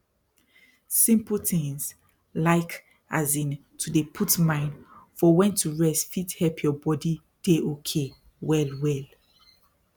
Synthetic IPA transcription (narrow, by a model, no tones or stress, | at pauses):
sĩmpəl̩tĩŋs | laɪk | azĩn | tʰudepʰutmãɪ̃ndfɔwɛ̃ntʰuɹɛstfithɛlpʰjɔbɔdi | d̥eʔokʰe | wɛlwɛl